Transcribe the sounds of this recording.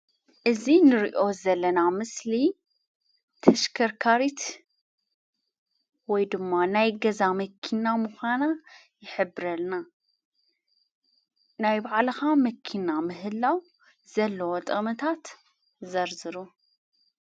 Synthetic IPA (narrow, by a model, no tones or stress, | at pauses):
ʔɨzinɨɾiʔo̞zɐlːɐnamɨsli | t̪ʰɐʃkʰɐɾkʰaɾit̪ | wɔjd̪ɨmːanajɡɐzamɐkʰːinamuxʷana | jɪħɨbːɨɾɐlna | najbaʕlɨxamɐkʰinamɨɦɨlːaw | zɐlːɐwot̪ʼɐmɐt̪ʰat̪ | zɐɾzɨɾu